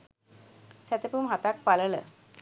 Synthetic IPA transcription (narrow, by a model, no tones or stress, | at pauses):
sɛt̪epumɦat̪ak̚palələ̰